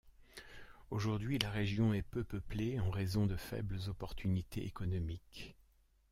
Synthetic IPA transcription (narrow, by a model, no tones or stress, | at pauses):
oʒuʁd̪ɥilaʁeʒjɔ̃ɛpøpəpleɑ̃ʁezɔ̃d̪əfɛ̰bləzɔpɔʁt̪ʰynit̪ʰeʔekɔnɔmik